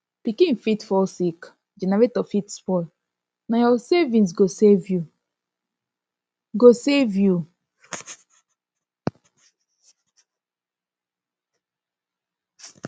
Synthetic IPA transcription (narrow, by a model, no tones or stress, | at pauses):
pikĩnfitfɔsik | d͡ʒɛnaɹetɔfitspɔɪ | najɔsevĩns̬ɡosevju | ɡosevju